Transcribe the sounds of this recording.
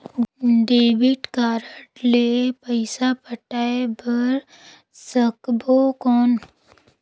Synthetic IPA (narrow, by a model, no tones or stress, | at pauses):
ɖeːbɪʈkaːɾəʈleːpəɪsapəʈaːebɐɾ | səkbokɔːn